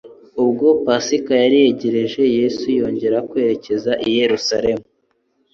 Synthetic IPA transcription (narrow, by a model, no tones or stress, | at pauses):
ubɡo̞pasikajaɾihe̞ɟe̞ɾe̞ʒe̞je̞sujo̞ːɲɟe̞ɾakwe̞ɾe̞ce̞zaʔije̞ɾusaɾe̞mu